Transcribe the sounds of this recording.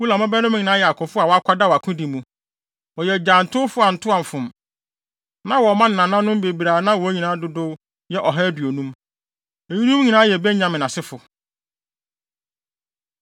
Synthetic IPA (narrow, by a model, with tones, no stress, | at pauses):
wu˦la˨mã˦bɛ˦nʊ̃˦m˦ɲi˨nãː˨˦jɛ˨a˨kʰʊ˨fʊ˦a˨wɔ˨˦a˦kʷʰa˦da˦wa˨kʰʊ̃˦di˨mũ˨ | wɔ˨jɛ˨d͡ʑaː˨n̩˨tʰʊ˦fʊ˦a˨n̩˨tʰʊ˦ã˨m˨fʊ̃˨m | nã˦wɔ˨mã˦n˨nã˨nã˦nʊ̃˦m˦be˨bi˨ɾaː˨˦nã˦wɔ˨˦ɲĩ˨nã˨˦dʊ˦dʊ˦ | jɛ˦ʔɔ˨ɦɛ˦dɥo˨nũ˦m | e˨ɲĩ˦nũ˦m˦ɲĩ˨nã˦jɛ˨bɛ˦ɲã˨mɪ̃˨nã˨sɪ˦fʊ˨